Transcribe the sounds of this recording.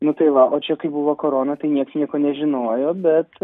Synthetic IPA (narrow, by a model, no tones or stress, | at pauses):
nʊt̪ɐɪʋɐʔoːt͡ʃʲɛkɐɪbuʋoːkoɾoːnɐt̪ɐɪnʲiɛksnʲiɛkoːnʲɛʒʲɪnoːjoːbʲɛt̪